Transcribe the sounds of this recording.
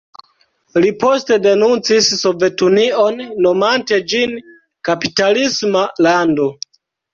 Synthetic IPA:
lipo̞ste̞de̞nunt͡sisːo̞ve̞tunio̞nːo̞mante̞d͡ʒin | kapitalismalando̞

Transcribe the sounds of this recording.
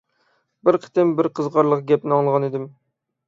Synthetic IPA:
bɪɾqʰə̥t̪ɪmbɪɾqʰəzʁɑɾlˠəqɡʲɛp̚nɪɑŋʁɑned̪ɪm

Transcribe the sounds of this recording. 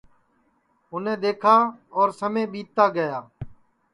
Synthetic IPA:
ʊnẽːd̪eːkʰaːɔːɾsəmẽːɓiːt̪ːaːɡəjaː

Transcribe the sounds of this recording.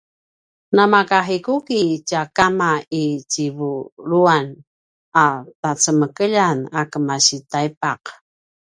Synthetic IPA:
namakaħikukit͡ɕakamait͡ɕivuɾuan | atat͡səməkəʎanakəmaɕitajpaq

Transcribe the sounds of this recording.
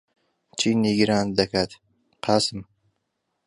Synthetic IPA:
t͡ʃʰiniɡiɾaːnd̪akʰat̪ | qʰasɨm

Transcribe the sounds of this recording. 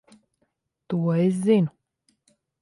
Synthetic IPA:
t̪uɔes̬zinu

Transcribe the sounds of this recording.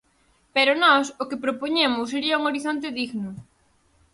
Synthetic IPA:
peɾʊnɔsʊkɪpɾopoɲemʊsːeɾiɐuŋoɾiθont̪ɪðiɣnʊ

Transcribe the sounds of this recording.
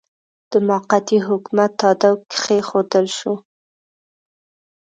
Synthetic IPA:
d̪̥əmɑqat̪iɦʊkmat̪ːɑd̪awkxexod̪əlʃu

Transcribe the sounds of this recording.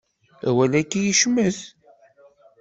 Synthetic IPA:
æ̰wælækːijiʃməθ

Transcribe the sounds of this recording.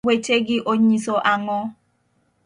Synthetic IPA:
weteɡiʔoɲisoʔaŋɔ

